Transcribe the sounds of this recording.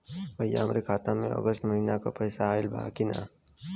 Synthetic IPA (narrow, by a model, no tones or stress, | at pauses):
bəjːa̰ɦɐmɾekʰaːt̪amẽɔ̰ɡəsʈmɐɦinaka̰pɐjsaaːɪlbʱa̰kina̰ː